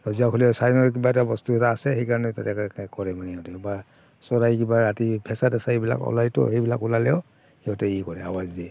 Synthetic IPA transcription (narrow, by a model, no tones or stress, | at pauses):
ɹɔziakʰɔlɛsajnɔɹk̬ibaɛtabɔstuɛtaːsɛxejkaɹɔnɛtatɛkkɔɹɛmaniɔtɛba | sɔɹajkibaɾatibʱɛsadasaibila̰kɔ̰lajtɔ̰hejbilakulalɛw | ɛɔtɛikɔɹɛawazdiɛ